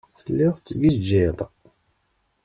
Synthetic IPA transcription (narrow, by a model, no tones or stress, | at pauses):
θəlːɪðˤt͡sːɡid͡ʒiðˤ